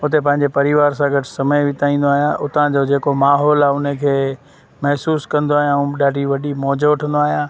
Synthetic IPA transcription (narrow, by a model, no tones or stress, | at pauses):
ʊt̪ep̬ɐ̃ɦɪ̃ɲd͡ʑepɐɾɪʋaːɾsãɡʱɐʈʰɪ̥sɐməjʋɪt̪aːĩːnd̪oaːɦijãʔʊt̪ãd͡ʑod͡ʑeːkomaːɦɔːlaːʊnekʰeː | mɐɦsuːskɐ̃nd̪oaːɦijãɗaːɖʱiʋɐɗimɔːd͡ʑoʈʰə̃nd̪oaːɦijãː